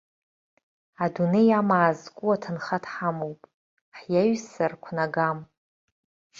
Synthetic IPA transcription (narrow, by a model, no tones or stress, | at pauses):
adunejamaːzkʷʼuatʰɨnχatʰħamowpʼ | ħjaɥsarkʷʰnaɡam